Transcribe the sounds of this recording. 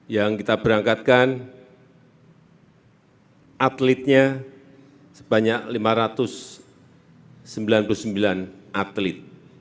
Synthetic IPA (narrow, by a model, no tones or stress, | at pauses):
jaŋkit̪ab̥əɾaŋkat̪̚kan | ʔat̪lɪt̪̚ɲa | sə̥b̥aɲaklimaɾat̪ʊs | əmbilanpulusəmbilanʔat̪lɪt̪̚